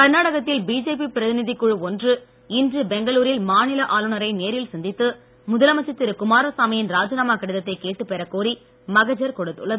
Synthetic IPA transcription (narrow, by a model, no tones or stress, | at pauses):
kɐɾnaːɽɐɣɐt̪ːɪlbiːd͡ʒeːpipɪɾɐðɪnɪðikːʊɻɯɔndrɯ | ɪndrɯbɛŋɡɐɭuːɾɪlmaːnɪlɐʔaːlɯɳɐɾɐɪneːɾɪlsɐnd̪ɪt̪ːɯ | mʊðɐlɐmɐt͡ʃːɐt̪ːɪɾɯkʊmaːɾɐsaːmɪjɪnɾaːd͡ʒɐnaːmaːkɐɽɯðɐt̪ːɐɪkeːʈːɯpɛɾɐkoːɾi | mɐɣɐd͡ʒɐɾkɔɽɯt̪ːɯ̰ɭːɐðɯ